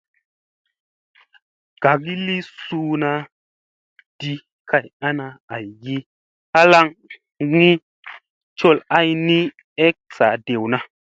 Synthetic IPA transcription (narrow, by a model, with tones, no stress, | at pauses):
ɡ̥a˨k̬i˦li˦su˧na˧ | d̥i˦ | ka˧˨ja˦na˧a˨jɡi˦ | a˦la˦ŋ | ŋi˦ | t͡ʃo˧la˦jni˦ | e˦k̚sa̰˨de˨wna˧